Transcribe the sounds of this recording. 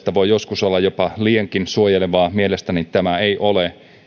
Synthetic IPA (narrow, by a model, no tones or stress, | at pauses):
t̪æʋojjoskusolːɑjopɑlieŋkinsuojeleʋɑːmielest̪ænit̪æmæeiʔole